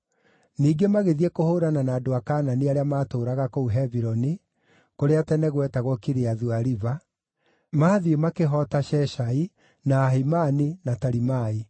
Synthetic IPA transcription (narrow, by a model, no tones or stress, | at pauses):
niːɡemaɣeðiɛkohoːɾananaːdoakaːnaniaɾeamaːtoːɾaɣakouɦɛviɾɔni | koɾeatɛnɛɣwɛtaɣwɔkiɾeaðuaɾiva | maːðiemakeɦɔtaʃɛʃai | naːɦimaninataɾimai